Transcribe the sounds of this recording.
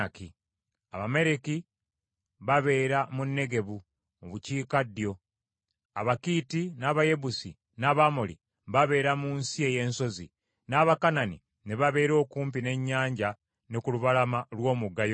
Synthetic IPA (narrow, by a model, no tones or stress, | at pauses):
ki | aβame̞ɾeki | βaβe̞ːɾamunːe̞ɡe̞βu | muβuciːkadːjo̞ | a̰βakiːtinaːβaje̞βusi | naːβamolḭ | βaβe̞ːɾamuːnsie̞je̞ːnso̞zḭ | naːβakananḭ | ne̞βaβe̞ːɾo̞ːkuːmpine̞ɲːaːɲɟa | nekuluβalamalwo̞ːmuɡːajo